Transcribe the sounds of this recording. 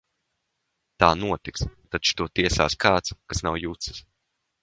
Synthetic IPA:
t̪aːnuɔt̪ikst̪at͡ʃu̥t̪uɔt̪iɛsa̰ːskaːt̪skasnawjut̪sɨ̥s

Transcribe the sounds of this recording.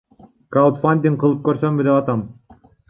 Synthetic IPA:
kalt̪fanʲd̪ʲiŋqʰɯlˠɯp̚køɾsømbid̪epɑt̪ɑm

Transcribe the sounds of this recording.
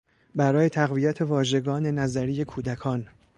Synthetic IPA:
bæɾɒːje̞t̪ʰæɣvijæt̪ʰe̞vɒːʒe̞ɡɒːne̞næzæɾije̞kʰuːd̪ækʰɒːn

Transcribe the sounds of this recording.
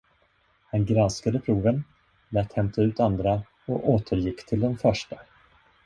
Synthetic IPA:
hanɡɾanskad̪əpʰɾuːvən | læːt̪hɛmt̪ʰaʉ̟ːt̪and̪ɾa | ɔʔoːt̪ʰəɾjɪkːt̪ʰɪld̪ɛnfœʂʈa

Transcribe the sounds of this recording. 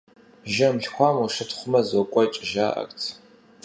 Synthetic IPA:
ʒɐmɬxʷɑːmuʂɨtʰχʷʊmɐzɐkʷʼɔit͡ʃʼɪʒaːʔɐ̰kʼtʰ

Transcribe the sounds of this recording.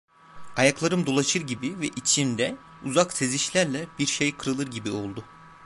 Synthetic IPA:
ajaklˠaɾɯmd̪o̞lˠaʃɯɾɟibivɛʔit͡ʃʰind̪ɛ | uzakse̞ziʃlʲæɾlʲɛbiɾʃejkʰɯɾɯlˠɯɾɟibio̞lˠd̪ʊ

